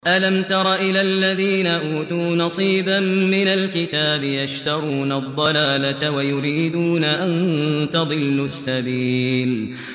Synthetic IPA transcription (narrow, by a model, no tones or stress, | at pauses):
ʔalamt̪ɑɾˤɑʔɪlalːaðiːnaʔuːt̪uːnɑsˤiːbamːɪnalkɪt̪aːbɪjaʃt̪ɑɾˤuːnad̪ˤːɑlaːlawajʊɾiːd̪uːnaʔant̪ɑd̪ˤɨlːʊsːabiːl